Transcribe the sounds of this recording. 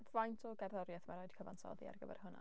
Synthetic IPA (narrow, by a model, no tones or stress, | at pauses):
vajntʰɔɡɛrðɔɾjɛθmaɾojd̥̚kʰəvansɔ̰ðḭa̰rɡəbɛ̰rhʊna̰